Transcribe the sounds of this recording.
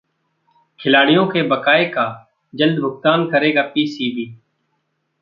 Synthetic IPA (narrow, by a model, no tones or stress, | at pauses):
kʰɪlaːɽɪjõːkeːbəkaːeːkaː | d͡ʒəld̪bʱʊk̚t̪aːnkəɾeːɡaːpiːsiːbiː